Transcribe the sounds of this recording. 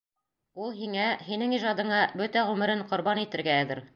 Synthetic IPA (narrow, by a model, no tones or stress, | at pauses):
ulˠɦiŋæhinɘŋiʒɑd̪ɤ̆ɴɑbɵt̪æʁʉmɘ̆ɾɘɴqŏɾbɑnit̪ɘ̆ɾɡæːðɘ̆ɾ